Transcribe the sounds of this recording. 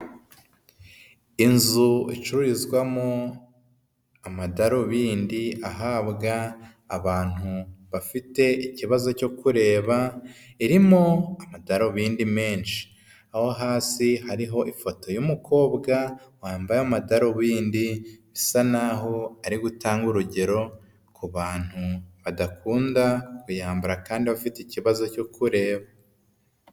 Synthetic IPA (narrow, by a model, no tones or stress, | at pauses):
inzuḭt͡ʃuɾuɾizɡwamo | amadaɾoβiːndiaɦaːbɡaː | βaːn̥huβafite̞iciβazo̞co̞kuɾe̞ːβaiɾimo̞amadaɾoβiːndime̞ːnʃi̥ | ahoɦaːsihaɾiɦo̞ʔifo̞to̞jumukʰo̞ːbɡawaːmbajamadaɾo̞βiːndiβisanaɦo̞aɾiɡutaːŋɡuɾuɟe̞ɾo̞ | kuβaːn̥huβadakuːndakujaːmbuɾakaːndiβafiteciβazo̞co̞kʰuɾe̞ːβa